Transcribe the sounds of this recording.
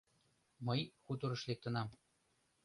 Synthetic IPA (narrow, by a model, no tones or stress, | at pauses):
mɤjxut̪ŏɾɤ̆ʃlek̚t̪ə̆nɑm